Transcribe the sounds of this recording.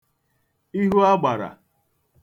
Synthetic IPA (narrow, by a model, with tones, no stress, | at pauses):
i˦ɦu˦a˦ɡ͡ba˨ɾa̰˨